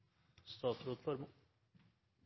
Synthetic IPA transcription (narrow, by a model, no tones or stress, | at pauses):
st̪ɑːt̪ɾoːt̪fɔɾmː